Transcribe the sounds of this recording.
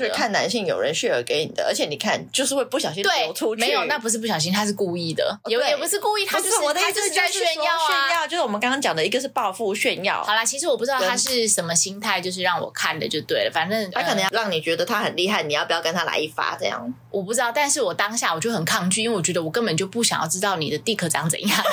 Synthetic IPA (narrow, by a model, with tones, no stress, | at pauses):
kʰa˥˩nna˧˥nɕi˥˩ŋjo˨˩ʊɻə˧˦nɕɥɛ˥˩ə̰˧˥ke˧˥ɪnḭ˨˩ə̰˦ə̰˧˥t͡ɕʰjɛ˧˦ni˨˩kʰa˥˩nt͡ɕjo˥˧ʊʂ̬̩˥˧we˥˧ɪpu˥˩ɕjɑ˨ʊɕĩ˦nt̪we˩˥˩o˧ʊtʰu˥e˧˥ɪjo˨˩ʊna˥˩p̬u˧ʂɻ̩˥˧p̬u˥ɕjɑ˨˩ʊɕ̬i˥nt̪ʰa˥ʂ̬ɻ̩˥˧ku˥˧i˥˩d̪ə̰˩ɛ˨˥jɛ˨˩pu˧˥ʂɻ̩˥˧ku˥˧i˥˩t̪ʰa˥˧˩o˥˧˥ɛ˥˧njɑ˥˩ʊɥɛ˥˧njɑ˥˩ʊt͡ɕjo˥˧ʂ̩˥˩wɔ˨˩m˧˦kɑ˥ŋkʰɑ˥ŋt͡ɕjɑ˨˩ŋd̪ə˩i˧˥ɡə˧ʂ̬ɻ̩˥˩˧pɑ˥˧ʊfu˥˧ɕɥɛ˥˧njɑ̰˥˨˩ʊɑ˨˩lɐ˦t͡ɕʰi˧˥ʂɻ̩˥wɔ˨˩p̬u˥˩ɻɑ˥˧t̪ʰa˥ʂɻ̩˥˩ʂə˧˥nmə˧ɕi˥ŋt̪ʰa˥ɪt͡ɕjo˥˧ʊʂ̬ɻ̩˥˧ɻɑ˥˩ŋwɔ̰˨˩kʰa˥˩nd̪ə̰˩t͡ɕo˥˧ʂt̪we˥˩ɪlə̰˩fa˨˩nə˥˩nt̪ʰa˥kʰə˨˩nə˧˦ŋjɻɑ˥˩ŋni˨˩t͡ɕɥɛ˧˥d̪ə˧t̪ʰa˦˥hə˨˩nli˥˧ɦa˥˩ɪni˨˩jɑ˥˩pu˨˩jkə˥nt̪ʰa˥la̰˧ɪi˥˩fa̰˥ʈ͡ʂɤ̰˥˧jɑ̰˥˩ŋ | wʔɔ˨˩pu˥˩ʈ͡ʂ̩̪˥ɑ˥˩ʊt̪a˥˧nʂɻ̩˥˩wɔ˨˩t̪ɑ˥ŋɕja˥˩wɔ˨˩t͡ɕjo˥˩ʊxə˨˩nkʰɑ˥˧ŋt͡ɕy˥˨˥we˥˩wɔ˨˩t͡ɕɥɛ˧˥d̪ə˧wɔ˨˩kə˥˩npə˨˩nt͡ɕjo˥˧ʊpu˥˩ɕjɑ̰˨˩ŋjɑ˥˩ʊʈ͡ʂɻ̩˥t̪ɑ˥˩ʊnḭ˨˩d̪ə˩t̪i˥˩kʰɤ˧˩ʈ͡ʂɑ˥˩ŋd͡zə̰˨˩jɑ˥˩ŋ